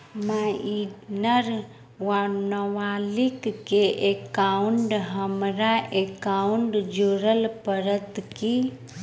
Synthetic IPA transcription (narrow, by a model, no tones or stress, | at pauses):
mainəɾ | wanəwalikːeʔekauɳʈɦəmɾaekauɳʈd͡ʒoɾəlpəɾət̪ki